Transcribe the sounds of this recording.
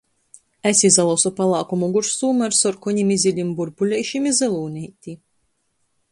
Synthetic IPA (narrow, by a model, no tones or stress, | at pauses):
æsʲizalˠɔsɔpalˠaːkumuɡuɾsuːmaɾsɔɾkɔɲʲimizʲilʲimbuɾpulʲɛjʃimizɛlˠuːnʲijt̪ʲi